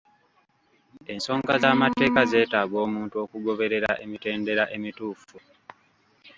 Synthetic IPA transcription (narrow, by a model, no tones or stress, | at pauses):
e̞nso̞ːŋɡazaːmate̞ːkaze̞ːtaːɡo̞ːmuːntuo̞kuɡo̞βe̞ɾe̞ɾaʔe̞mite̞ːnde̞ɾaʔe̞mituːfu